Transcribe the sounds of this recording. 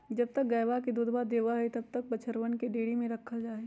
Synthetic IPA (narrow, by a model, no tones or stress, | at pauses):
d͡ʒɐb̚t̪ɐk̚ɡɐjʋakid̪uːd̪bad̪eːʋaɦɛt̪ɐb̚t̪ɐk̚bɐt͡ʃʰəɾʋənkeɖeːɽimẽɾɐkʰəd͡ʒaːɦe